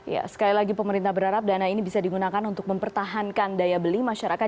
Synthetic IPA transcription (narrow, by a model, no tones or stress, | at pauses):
ja̰sə̥kalilaɡipəməɾint̪ahbəɾaɾap̚danainibisadiɡunakanunt̪ʊk̚məmpərt̪aɦankandajabəlimaʃaɾaka